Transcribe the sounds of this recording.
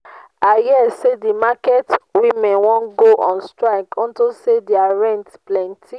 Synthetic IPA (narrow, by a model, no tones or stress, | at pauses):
ajɛsedimakɛtwimɛ̃nwɔ̃nɡoʔɔ̃nstɾaɪkɔ̃ntosediaɾɛ̃ntplɛ̃ntʰi